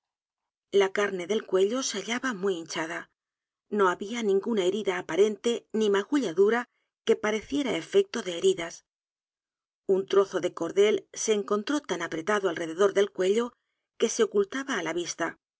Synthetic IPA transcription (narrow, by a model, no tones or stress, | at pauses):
lakaɾne̞ðe̞lkwe̞ʎo̞seaʎaβamwiint͡ʃaða | no̞aβianĩŋɡunae̞ɾiðaːpaɾe̞nt̪e̞nimaɣuʎaðuɾa | ke̞paɾe̞θje̞ɾae̞fe̞k̚t̪o̞ðe̞ːɾiðas | unt̪ɾo̞θo̞ðe̞ko̞ɾðe̞lse̞ːŋko̞nt̪ɾo̞t̪anapɾe̞t̪aðoalre̞ðe̞ðo̞ɾðe̞lkwe̞ʎo̞ | ke̞se̞o̞kult̪aβaːlaβist̪a